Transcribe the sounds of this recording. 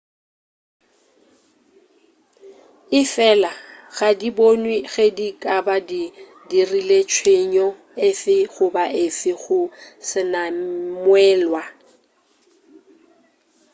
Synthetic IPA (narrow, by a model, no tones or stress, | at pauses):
ɪfɛlaɣadibonwiɣedikʼabadi | dirilet͡ʃʰweɲɔ | efɪɣʊbaʔɪfɪɣʊsɪnamwɛːlwa